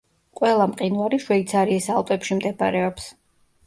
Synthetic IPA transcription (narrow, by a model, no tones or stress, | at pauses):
qʼwɛlˠamqʼinvaɾiʃwɛit̪sʰaɾiːsalˠt̪ʼɛpʃimd̪ɛba̰ɾɛɔps